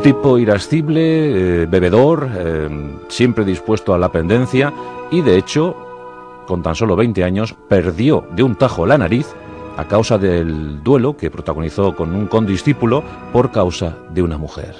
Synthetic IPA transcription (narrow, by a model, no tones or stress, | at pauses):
t̪ipo̞iɾasθiβleβe̞β̞e̞ðo̞ɾ | sje̞mpɾe̞ðispwe̞st̪oalape̞nd̪ẽ̞n̟θjaiðe̞et͡ʃo̞ | ko̞nt̪anso̞lo̞β̞e̞jnt̪e̞aɲo̞spe̞ɾðjo̞ðeunt̪axo̞lanaɾiθ | a̰kawsaðeld̪we̞lo̞ke̞pɾo̞t̪aɣ̞oniθo̞ko̞nuŋko̞nd̪isθipulo | po̞ɾkawsa | ðeunamuxe̞̰ɾ